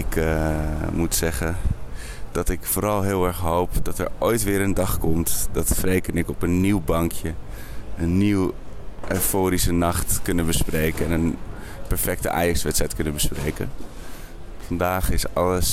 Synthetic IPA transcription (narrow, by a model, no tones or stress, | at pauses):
ɪk | mutsɛχən | d̥ɑtɪkfoːɾɑlˠɦɪːlˠɛɹχɦowpdɑtɛ̰ɹojtʋɪːɹəndɑχkɔmtdɑtfrejkənɪkɔpənːiwbɑŋkʰjə | ənːiw | ʔøjfoːɾisənɑχtkɵnəbəsprejkəɛnən | pɛɹfɛk̚təʔa̰ːjɑksʋɛtsɛjtkɵnənbəsprejkə̰ | fɑndaːχɪsɑləs